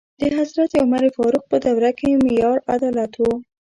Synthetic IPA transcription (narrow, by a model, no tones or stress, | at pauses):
d̪̥əɦazɾat̪jawmaɾefɑɾuq̚pəd̪awɾakemɪjɑɾad̪ɑlat̪wo